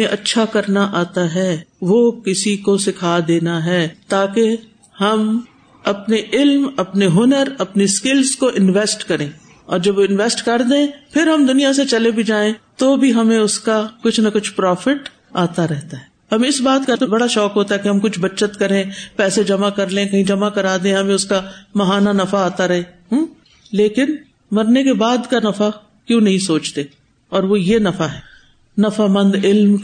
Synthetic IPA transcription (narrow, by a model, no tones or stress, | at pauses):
ẽʔɐtːʃʰakɐɾnaʔaːt̪aɦɛːʋokɪsikosɪkʰaːd̪eːnaɦɛːt̪aːke | hɐm | ɐpneʔɪlmɐpneɦʊnəɾɐpniskɪlzkoʔɪnʋɛːsʈkɐɾẽː | ɔːɾd͡ʒɐbʋoɪnʋɛːsʈkɐɾd̪ẽːpʰɪɾɦɐmd̪ʊnijaset͡ʃɐlebʱid͡ʒaːẽt̪obʱiɦɐmẽʊskakʊt͡ʃʰnɐkʊt͡ʃʰpɾɔːfɪʈ | aːt̪aɾɛɦt̪aɦɛːɦɐmɪsbaːd̪kat̪bɐɽaʃɔːkɦoːt̪aɦɛkeɦɐmkʊt͡ʃʰbɐtːʃət̪kɐɾẽpɛːsed͡ʒɐmakɐɾlẽːkɐɦĩd͡ʒɐmakɐɾaːd̪ẽɦɐmẽʊskamɐɦaːnanɐfaaːt̪aɾɐɦe | ɦː | leːkɪn | mɐɾnekebaːd̪kanɐfa | kjõːnɐɦĩsoːt͡ʃt̪eː | ɔːɾʋojenɐfaɦɛː | nɐfamɐ̃nd̪ɪlm